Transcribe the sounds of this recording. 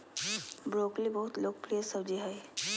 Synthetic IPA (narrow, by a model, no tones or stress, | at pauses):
bɾoːklibɐɦʊt̪loːk̚pɾijəsəbd͡ʒiɦɛj